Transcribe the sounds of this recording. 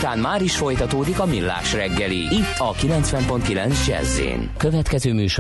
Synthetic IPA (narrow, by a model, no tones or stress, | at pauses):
t̪aːnmaːɾiʃfo̞jt̪ɒt̪oːd̪ikɒmilːa̰ːʃrɛɡːɛliit̪ʰːɒkilɛnt̪sʋɛmpo̞nt̪̚kilɛnsd͡ʒɛ̰zːḛːnkø̞vɛt̪kɛzøːmyːʃ